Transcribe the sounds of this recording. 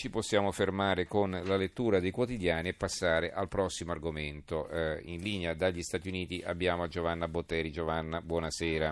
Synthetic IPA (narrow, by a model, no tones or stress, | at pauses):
t͡ʃiposːjaːmofermaːɾekonlalet̪ːuːɾad̪ejkwot̪id̪jaːniepːasːaːɾeʔalpɾɔsːimoarɡoment̪oinliːnead̪aʎːist̪aːt̪iuniːt̪iʔabːjaːmoad͡ʒovanːabot̪ːɛːɾid͡ʒovanːabwɔnasɛːɾa